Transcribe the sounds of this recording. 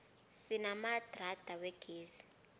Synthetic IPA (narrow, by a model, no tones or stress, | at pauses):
sinamad̥rad̥ʱawɛɡ̥ʱeːzi̥